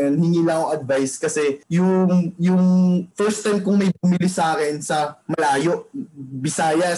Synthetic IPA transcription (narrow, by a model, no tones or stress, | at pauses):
ɐnhɪŋiːlɐŋoŋʔɐd̪vajskɐsɛjʊŋjʊŋfɛɹst̪ajmkʊŋmɐjbʊmɪlɪsaːkɪnsɐmɐlaːjoʔbɪsaːjɐ